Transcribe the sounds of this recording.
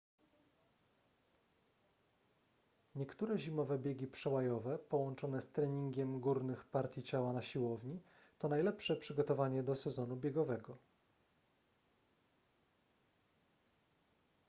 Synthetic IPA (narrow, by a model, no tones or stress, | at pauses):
ɲɛkt̪uɾɛʑimɔvɛbʲjeɡʲipʂɛwajɔvɛpɔwɔnt͡ʂɔnɛst̪ɾɛɲiŋɡʲɛmɡuɾnɘxpaɾt̪ʲjit͡ɕawanaɕiwɔvɲi | t̪ɔnajlɛpʂɛpʂɘɡɔt̪ɔvaɲɛd̪ɔsɛzɔn̪ubʲjeɡɔvɛɡɔ